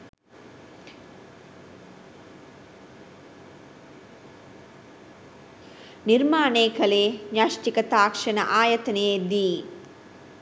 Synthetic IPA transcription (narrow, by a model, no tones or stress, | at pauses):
niɾmaːneːkɐleːɲaʂʈikɐt̪aːkʂɐnɐ̰ʔaːjɐt̪ɐneːd̪i